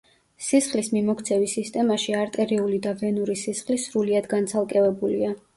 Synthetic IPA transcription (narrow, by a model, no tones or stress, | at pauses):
sisχlismimɔkʰt̪sʰɛvisist̪ʼɛmaʃiaɾt̪ʼɛɾiulid̪avɛnuɾisisχlisɾuliad̪ɡant̪sʰalˠkʼɛvɛbulia